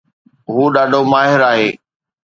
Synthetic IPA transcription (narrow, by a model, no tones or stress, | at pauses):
ɦuːɗaːɖʱomaːɦɪɾaːɦeː